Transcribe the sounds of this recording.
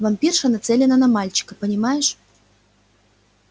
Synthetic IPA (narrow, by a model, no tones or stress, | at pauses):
vɐmpʲirʂənɐt̪sɛlʲɪnənɐmalʲt͡ɕɪ̥kəpənʲɪmajɪʂ